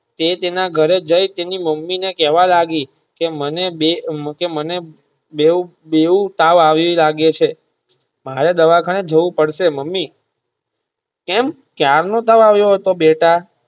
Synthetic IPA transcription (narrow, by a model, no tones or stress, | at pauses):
t̪et̪enaɡʱəɾed͡ʒəjt̪eniməmːinekɛʋalaɡi | kemənebekeməne | be | beũt̪aʋaʋilaɡet͡ʃʰe | maɾed̪əʋakʰaned͡ʒəʋũpəɽʃeməmːi | kɛm | kjaɾnõt̪aʋaʋjoɦət̪obeʈa